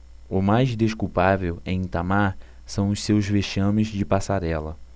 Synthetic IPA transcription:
ʊmajzd̪eʃkuwpavewɛ̃ĩt̪amaɾ | sɐ̃w̃ʊssewzveʃɐ̃mɪzd͡ʒɪpasaɾɛlɐ

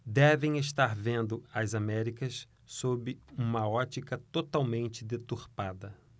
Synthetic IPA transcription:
d̪ɛvẽj̃eʃt̪aɾvẽnd̪ʊɐzamɛɾikɐs | sobɪũmɐɔt͡ʃikɐt̪ot̪awmẽnt͡ʃɪd̪et̪uɾpad̪ɐ

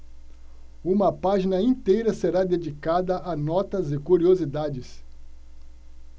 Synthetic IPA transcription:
ũmɐpaʒinɐĩt̪ejɾɐseɾad̪ed͡ʒikad̪ɐʔanɔt̪ɐzɪkuɾiozid̪ad͡ʒɪs

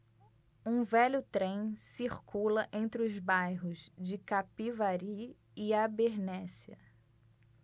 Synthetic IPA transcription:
ũvɛʎʊt̪ɾẽj̃siχkulɐʔẽnt̪ɾɪʊzbajɦʊzd͡ʒɪkapivaɾiː | abeɾnɛsiɐ̰

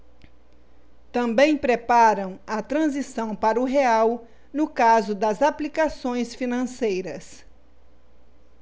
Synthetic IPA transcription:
t̪ɐ̃mbẽj̃pɾepaɾɐ̃w̃ɐt̪ɾɐ̃zisɐ̃w̃paɾɐʊɦeaw | nʊkazʊd̪ɐzaplikasõj̃sfinɐ̃sejɾɐs

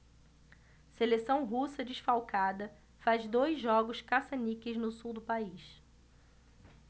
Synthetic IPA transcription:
selesɐ̃w̃ɦusɐd͡ʒiʃfawkad̪ɐ | fazd̪ojzʒːɔɡʊʃkasɐnikɪznʊsuwd̪ʊpaiʃ

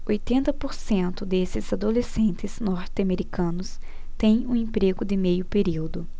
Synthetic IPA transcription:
ojt̪ẽnt̪ɐpoɾsẽnt̪ʊd̪esɪzad̪olesẽnt̪ɪznɔɾt̪ɪameɾikɐ̃nʊs | t̪ẽj̃ũẽmpɾeɡʊd̪ɪmejʊpeɾiwd̪ʊ

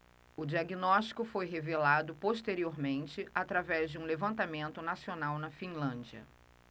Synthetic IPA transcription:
ʊd͡ʒiaɡinɔʃt͡ʃi̥kʊfojɦevelad̪ʊpoʃt̪eɾioɾmẽnt͡ʃɪat̪ɾavɛzd͡ʒɪũlevɐ̃nt̪amẽnt̪ʊnasionawnɐfĩlɐ̃d͡ʒiɐ̰

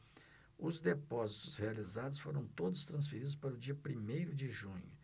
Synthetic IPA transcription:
ʊzd̪epɔzit̪ʊshealizad̪ʊsfoɾɐ̃w̃t̪od̪ʊst̪ɾɐ̃sfeɾid̪ʊspaɾʊd͡ʒiɐpɾimejɾʊd͡ʒɪʒũɲʊ

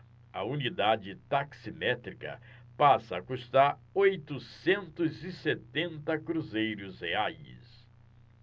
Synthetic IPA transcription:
ɐ̰unid̪ad͡ʒɪt̪aksimɛt̪ɾikɐ̰ | pasɐakust̪aɾ | ojt̪ʊsẽnt̪ʊzɪset̪ẽnt̪ɐkɾuzejɾʊzheajs

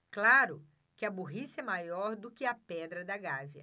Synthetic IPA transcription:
klaɾʊ | kɪɐbuɦisɛmajɔɾd̪ʊkɪɐpɛd̪ɾɐd̪ɐɡaviɐ̰

